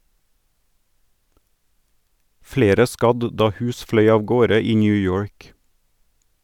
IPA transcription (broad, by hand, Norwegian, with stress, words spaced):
ˈfleːɾə ˈskɑd ˈdɑː ˈhʉːs ˈflœʏ ɑːʋˈɡoːɾə ˈiː ˌnjʉːˈjoːɹk